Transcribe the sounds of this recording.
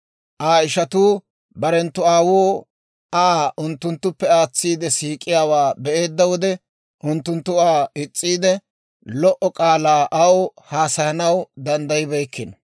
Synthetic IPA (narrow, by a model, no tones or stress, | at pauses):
ʔaːɪʃɐt̪uː | bɐɾɛnt̪ːʊaːwoː | aʔʊnt̪ːʊnt̪ːʊpːɛaːt͡sːiːd̪ɛsiːkʼːɪjaːwaːbɛʔe̞ːd̪ːɐwɔd̪ɛ | ʔʊnt̪ːʊnt̪ːʊaːɪt͡sʼːiːd̪ɛ | lɔʔɔkʼaːlaːʔɐwhaːsɐjɐnɐwd̪ɐnd̪ɐjɪbɛjkːɪn